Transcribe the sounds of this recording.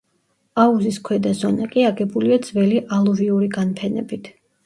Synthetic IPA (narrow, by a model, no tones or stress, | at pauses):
auziskʰwɛd̪azɔnakʼiaɡɛbuliad̪z̥vɛliʔalˠuviuɾiɡanpʰɛnɛ̰bit̪ʰ